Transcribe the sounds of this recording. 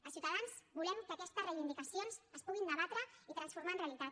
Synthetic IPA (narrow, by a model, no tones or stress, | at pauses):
əsiwt̪aðanzbulɛmkəkɛst̪əzrejβind̪ikəsionzəspuɣind̪əβat̪ɾəit̪ɾənsfuɾmaənreəlit̪at̪